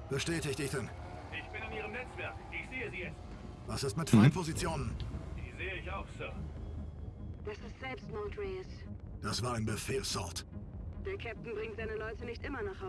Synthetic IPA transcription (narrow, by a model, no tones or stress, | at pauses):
b̥əʃtɛːtɪçtd̥ɪçd̥ɛn | ʔɪçb̥ɪnaniːʁəmnɛt͡sv̥ɛɐkʔɪçz̥eːəziːjɛt͡st | vasɪstmɪtfʁaɪnpʰozit͡sjoːnənd̥iːzeːəɪçaʊxsœɐ | d̥asɪstz̥ɛlpstnɔtʰʁɛɪs | d̥asv̥aːɐaɪnbəfeːlsɔɐtd̥ɪɐkʰɛp̚tn̩bʁɪŋtz̥aɪnəlɔʏtənɪçtʔɪmɐnaːχha